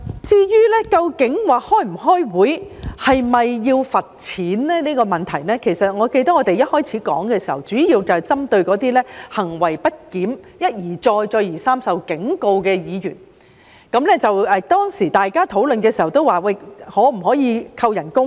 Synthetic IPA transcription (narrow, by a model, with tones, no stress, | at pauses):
t͡siː˥jyː˥lɛ˥kɐ˧wkɪ˨˥ŋwaː˨hɔː˥jm̩˨˩ɦɔː˥jwuː˨˥jhɐ˨jmɐ˨jːiː˧wfɐ˨t̚t͡sʰiː˨˥nlɛː˥niː˥kɔː˧mɐ˨˩nt̪ʰɐ˨˩jnɛː˥kʰe˨˩jsɐ˨t̚ŋɔː˨˧ke˧jt̪ɐ˥k̚ŋɔ˨˧t̪e˨jɐ˥t̚hɔː˥jt͡sʰiː˨˥kɔ̰ː˨˥ŋkɛː˧si˨˩hɐ̰˨˩wt͡syː˨˥jiː˧wt͡sɐ˨˩wt͡sɐ˥mt̪ɵ˧ɥkɔː˨˥t̪iː˥lɛː˥hɐ˨˩ŋwɐ˨˩jpɐ˥t̚kiː˨˥mjɐ˥t̚jiː˨˩t͡sɔː˧jt͡sɔː˧jiː˨˩saː˥msɐ˨wkɪ˨˥ŋko˧wkɛː˧jiː˨˧jy̰ː˨˩n | kɐ˨˧˥mlɛː˥t͡sɐ˨wɛː˨t̪ɔː˥ŋsiː˨˩t̪aː˨jkaː˥t̪ʰo˨˥wlɵ˨˧nkɛː˧si˨˩hɐ˨˩wt̪o˥waː˨˩wɐ˧jhɔː˨˥m̩˨˩ɦɔː˨˥jiː˨˧kʰɐ˧wjɐ˨˩nkʊ˥ŋ